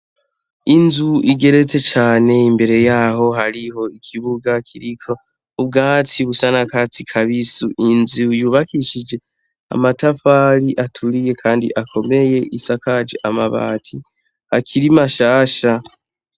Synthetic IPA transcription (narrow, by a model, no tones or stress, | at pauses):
inzuiɡe̞ɾe̞t͡se̞t͡ʃaːne̞imbe̞ɾe̞jaːɦo̞haɾiho̞ikʰiβuɡakʰiɾikʰo̞ | ub̚ɡaːt͡siβusanakat͡sikʰaβisuʔinzijuːβakiʃid͡ʒe̞ | a̰matafaːɾiʔatʰuɾije̞kʰaːndḭʔakʰo̞me̞je̞ʔisakad͡ʒḛʔamaβa̰ːtʰi | hakʰiɾimaʃaːʃa